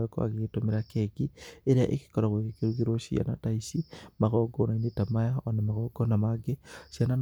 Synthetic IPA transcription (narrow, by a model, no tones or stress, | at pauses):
ɾeko̰a̰ɣetomeɾakɛɡieɾeaʔeke̥kɔɾaɣweɣekeɾuɣiɾoʃḭa̰nataisimaɣɔɡɔnainetamajaɔnamaɣɔɡɔnamaɡesianan